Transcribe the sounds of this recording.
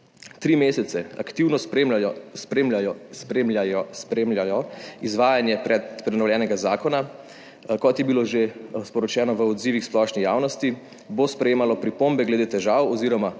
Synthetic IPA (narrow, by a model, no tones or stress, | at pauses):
t̪ɾimeːsɛt̪sɛa̰kt̪iwnɔpemspɾemajspɾemlajɔspɾemljajɔizʋaːjanjɛpɾɛt̪pɾɛnɔwljɛːnɛɡazaːkɔna | kɔt̪jɛbiloʒespɔɾɔt͡ʃɛːnɔʋəɔd̪ziːʋixsplɔːʃnijaːwnɔst̪i | bospɾɛjeːmalɔpɾipombɛɡlɛd̪et̪ɛʒaːwɔziːɾɔma